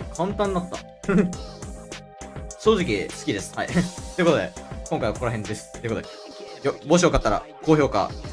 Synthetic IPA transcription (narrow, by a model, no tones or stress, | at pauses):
kʰãnt̪ãnːat̪ːa̰ | ɕoːʑikʲisɨ̥kʲid̪e̞sɨ̥haḭt̪oɨ̟kot̪o̞d̪ekõŋkaiβako̞ɾaɦẽ̞nd̪e̞sɨ̥t̪ːeɨ̟kot̪od̪e | jobo̞ɕ̬iokat̪ːaɾa̰ko̞ːço̞ːka̰